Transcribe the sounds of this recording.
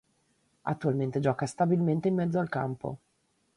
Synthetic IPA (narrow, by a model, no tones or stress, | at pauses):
a̰t̪ːualment̪ed͡ʒɔːkast̪abilment̪eimːɛd̪zːoalka̰mpo̰